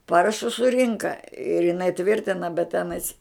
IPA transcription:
ˈpɑːrɐʃʊs sʊˈrʲɪŋkɐ ɪr ɪˈnɐɪ ˈtʲʋʲɪrʲtʲɪnɐ bʲɛt ˈtʲæːnɐɪs

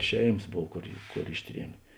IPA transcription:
ˈʃʲɛɪmɐs ˈboːw ˈkoːr ˈkoːr ˈɪʃʲˌtʲrʲiɛmʲeː

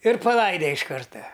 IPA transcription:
ɪr pɐˈlˠɐɪdʲɛ ɪʃ ˈkɐrtɐ

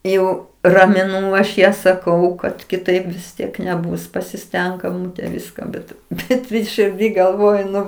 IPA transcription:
ˈjɛʊ rɐmʲɪˈnuː ɐʃ ˈjæː sɐˈkɐʊ kɐt kʲɪˈtɐɪp ʋʲɪs ˈtʲiɛk nʲɛˈbʊs pɐsʲɪˈsʲtʲɛŋk ɛˈmuːtʲɛ ˈʋʲɪskɐ bʲɛt ˈbʲɛt ʃʲɪrʲˈdʲiː ɡɐlˠˈʋoːjʊˈnʊ

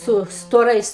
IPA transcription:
ˈsʊ stoːˈrɐɪs

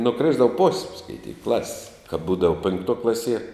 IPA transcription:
nʊˈkrʲɪzdɐʋɐ poːsʲ skɐɪˈtʲiːk klˠɐsʲsʲ kɐp ˈbuːdɐʋɐ pʲɪŋkˈtuɔ ˈklˠɑːsʲiɛ

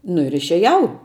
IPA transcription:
nʊ ɪr ɪʃʲɛˈjɛʊ

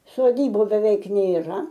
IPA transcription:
soːˈdʲiːbʊ bʲɛˈʋʲɛɪk nʲeːˈrɐ

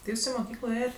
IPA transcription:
tʲɪ ˈjuːs ɪ moːˈkʲiːklˠoː ˈeːjɛt

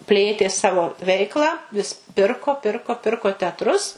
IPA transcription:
ˈpʲlʲeːtʲeː ˈsɑːʋoː ˈʋʲɛɪklˠɑː ʋʲɪs ˈpʲɪrkoː ˈpʲɪrkoː ˈpʲɪrkoː tʲɛɐtˈrʊs

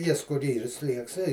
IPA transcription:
ˈjɪs kʊr ˈiːr ˈsʲlʲiɛks ɛɪ

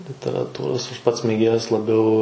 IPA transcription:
lʲɪtʲɛrɐˈtuːroːs ˈɐʃ ˈpɐts mʲeːˈɡʲeːjɛs lˠɐˈbʲɛʊ

